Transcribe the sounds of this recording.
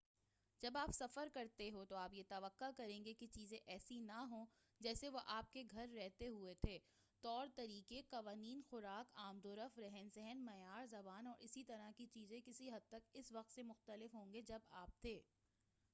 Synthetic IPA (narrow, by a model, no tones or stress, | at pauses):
d͡ʒɐbaːpsɐfəɾkɐɾt̪eɦot̪oaːpjet̪ɐʋəqːakɐɾẽːŋɡeket͡ʃiːzẽʔɛːsinɐɦõː | d͡ʒɛːseʋoʔaːp̚keɡʱɐɾːɛɦt̪eɦuet̪ʰeː | t̪ɔːɾt̪ɐɾiːkeqɐʋaːniːnxʊɾaːkaːmd̪oːɾəfɾɛɦɛnzɛɦɛnmɐjaːɾzɐbaːnɔːɾʔɪsit̪ɐɾakit͡ʃiːzẽkɪsiɦɐd̪̚t̪ɐkɪsʋɐq̚t̪semʊxt̪əlɪfɦõːŋɡed͡ʒɐbaːp̚t̪ʰeː